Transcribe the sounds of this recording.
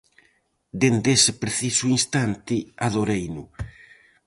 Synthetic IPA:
d̪end̪esɪpɾeθisuinst̪ant̪ɪaðoɾejnʊ

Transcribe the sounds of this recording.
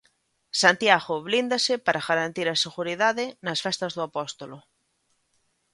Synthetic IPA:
sant̪jaɣʊβlind̪ɐsɪpaɾaɣaɾant̪iɾɐseɣuɾiðaðɪnɐsfɛst̪ɐzðʊapɔst̪olʊ

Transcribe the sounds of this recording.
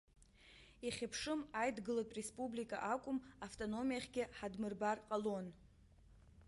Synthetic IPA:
iχʲapʰʂɨmajdɡɨlatʼrespʼublikʼa̰ʔakʷʼʊmaftʼono̞mijaχʲɡʲɪħadmɨrbarqʼalo̞n

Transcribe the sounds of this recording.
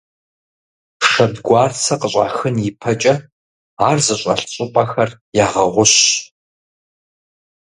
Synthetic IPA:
ʂɐbɡʷɑːrt͡sʰɐqəɕʼa̰ːxɨnjɪpʰɐt͡ʃʼɐ | aːrzɨɕʼɐ̰ɬɕʼɪpʼɐxɐrjaːʁɐʁʷʊɕ

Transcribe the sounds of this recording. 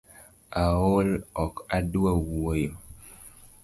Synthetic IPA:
aolɔkaduawuwojo

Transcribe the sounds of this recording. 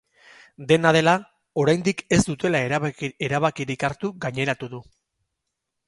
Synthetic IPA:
d̪e̞nað̞e̞la | o̞ɾajnd̪ike̞zd̪ut̪e̞laeeɾaβakiɾikaɾt̪uɡaɲe̞ɾat̪uðu

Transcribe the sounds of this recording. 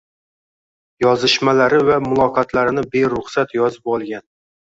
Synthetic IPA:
jɒzɪʃmalaɾɪvamʊlˠɒqʰɑt̪ʰlaɾɪnɪbe̞ɾʊχsat̪jɒzɪpɒlˠɡʲan

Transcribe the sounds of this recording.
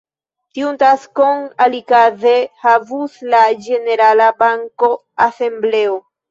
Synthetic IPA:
tiuntaskoŋalikazehavuslad͡ʒe̞ne̞ɾalabaŋko̞ | ase̞mble̞o

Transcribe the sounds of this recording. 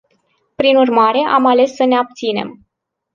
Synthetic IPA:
pɾinurmaɾe̞ʔamale̞sːəneap̚t̪sine̞̰m

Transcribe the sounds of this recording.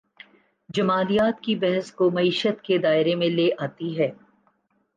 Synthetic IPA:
d͡ʒɐmaːlijaːt̪kibɛɦəskomɐiːʃət̪ked̪aːɪɾemẽleːʔaːt̪iɦɛː

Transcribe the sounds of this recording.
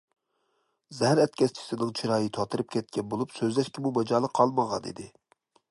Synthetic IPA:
zɛɦæɾɛt̪̚kʲʰɛst͡ʃʰi̥sɪnɪŋt͡ʃʰiɾɑːjɨt̪ʰɑt̪ʰɨɾɨp̚kʲʰɛt̪̚kʲɛnbolˠupsøzlɛʃkʲɛmumɛd͡ʒɑːlˠəqʰːɑlˠməʁɑ̰nḭd̪ɪ

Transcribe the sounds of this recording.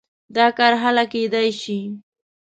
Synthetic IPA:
d̪ɑkɑɾɦalaked̪ajʃi

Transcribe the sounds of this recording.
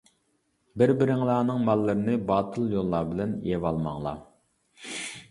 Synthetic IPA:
bɪɾbɪɾɪŋlˠɑːnɨŋmɑlːəɾɪnɪbɑːt̪ʰɨlˠjolˠːɑːbɪlɛnjɛvɑlˠmɑ̰ŋlˠɑ̰

